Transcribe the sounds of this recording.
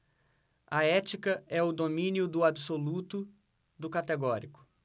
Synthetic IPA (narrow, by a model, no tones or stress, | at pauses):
ɐɛt͡ʃikɐɛʊd̪omĩniʊd̪ʊabisolut̪ʊ | d̪ʊkat̪eɡɔɾikʊ̥